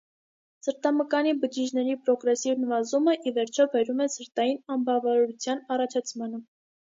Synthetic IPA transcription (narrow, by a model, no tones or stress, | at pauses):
səɾt̪ɑməkɑnibəd͡ʒid͡ʒnɛɾipɾɔɡɾɛsivnəvɑzuməʔivɛɾt͡ʃʰɔbɛɾumɛsəɾt̪ɑjinɑmbɑvɑɾɾut͡sʰjɑnɑrɑt͡ʃʰɑt͡sʰmɑnə